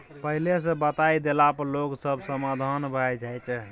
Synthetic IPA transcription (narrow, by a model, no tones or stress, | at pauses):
pəɦiles̬ə̃bət̪ajd̪elapəloksəbʱsəmad̪ʱanbʱəɛd͡ʒajt͡ʃʰ